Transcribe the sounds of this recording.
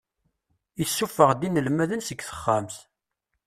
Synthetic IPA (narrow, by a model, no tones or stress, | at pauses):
jəsːufəʁd̪inəlmæðənsəɡθə̥χːamθ